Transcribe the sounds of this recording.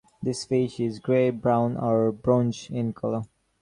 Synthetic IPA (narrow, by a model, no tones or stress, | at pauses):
d̪ɪsfiʃɪzɡɹeːbɹãʊ̃nʔəɹbɹɔ̃nt͡ʃɪ̃nkʰɔlə